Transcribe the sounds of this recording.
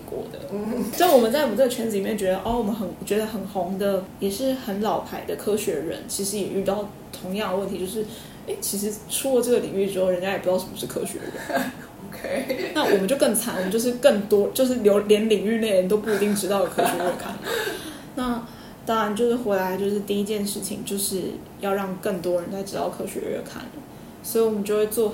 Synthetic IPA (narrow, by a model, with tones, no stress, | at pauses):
kwɔ̰˥˩d̪ə̰˩˥wɔ˨˩mə˨˦nt͡sa˥˩wm˨˦ʈ͡ʂɤ˥˩ɡə˩t͡ɕʰɥɛ˧˥nt͡s̩˨li˨mjɛ˥˩t͡ɕɥɛ˧˥d̪ə˧ʔɔ˥˩wɔ˨˩mə˦nxə˨˩nt͡ɕɥɛ˧˥d̪ə˧xə˨˩nxʊ˧˥ŋd̪ə˧jɛ˨˩ʂɻ̩˥˩xə˧˥nlɑ˨˩ʊpʰa˨˩ɪd̪ə˦kʰɤ˥ɕɥɛ˧˥ɻə̰˧˥nt͡ɕʰi˧˥ʂɻ̩˧˥jɛ˨˩ʔy˥˧t̪ɑ˥˩ʊ | t̪ʰʊ˧˥ŋjɑ˥˩ŋd̪ə˩wə˥˩t̪ʰi˧˥t͡ɕjo˥˧ʊʂɻ̩˥˩ | e˥˩ɪt͡ɕʰi˧˥ʂ̬ɻ̩˧˥ʈ͡ʂʰu˥lə˨˩ʈ͡ʂɤ˥˩ɡə˩li˨˩ŋy˥˩ɻ̩˥xo˥ʊɻə˧˥nt͡ɕja˥jɛ˨˩p̪ɑ˥˩ʊʂə˨˩mə˦ʂɻ̩˥˩kʰɤ̰˥ɕɥɛ̰˧˥d̪ə̰˧ɻə̰˦n | kʰna˥˩wɔ˨˩mə˨˦t͡ɕo˥˧ʊkɤ˥˩ŋt͡sʰa˧˥nwənt͡ɕo˥˧ʊʂɻ̩˥˧kə˥˩ŋt̪wɔ˥t͡ɕjo˥˧ʊʂ̬ɻ̩˥˩ljo˧˥ʊljɛ˧˥nli˨˩ŋy˥˧ne˥˩ɪɻə˧˥nt̪̬o˥ʊpu˥˩i˧˥t̪i˥˩ŋʈ͡ʂɻ̩˧˥t̪ɑ˥˩ʊd̪ə˩kʰɤ˥ɕɥɛ˧˥ɻə˥˩kʰa̰˥˩nlə̰˨˩ | na˥˩ | t̪a˥ɻa˧˦nt͡ɕjo˥˧ʊʂɻ̩˥˩xwe˧˥ɪla˧˥ɪt͡ɕjo˥˧ʊʂɻ̩˥˧t̪i˥˧i˧˥t͡ɕjɛ˥˧nʂɻ̩˥˩t͡ɕʰḭ˨˩ŋt͡ɕjo˥˧ʊʂɻ̩˥˩ | jɑ˥˧ʊɻɑ˥˧ŋkə˥˩ŋt̪wɔ˥ɻə˧˦nt͡sa˥˩ɪʈ͡ʂɻ̩˧˥t̪ɑ̰˥˩ʊkʰɤ˥ɕɥɛ̰˧˥ɻə̰˥˩kʰa̰˥˩nlə˩ | swɔ˧˥i˨˧wɔ˨˩mə˨nt͡ɕjo˥˧ʊxwe˥˧ɪt͡swɔ˥˩